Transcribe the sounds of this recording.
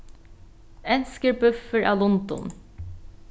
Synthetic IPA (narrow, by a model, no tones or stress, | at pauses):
ɛnskəɹbʉfəɹʔɑlʊnd̪ʊ̰n